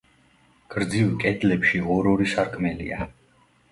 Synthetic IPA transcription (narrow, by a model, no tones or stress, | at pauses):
ɡ̥ɾd̪zivkʼɛd̪lɛpʃiɔɾɔɾisaɾkʰmɛlḭa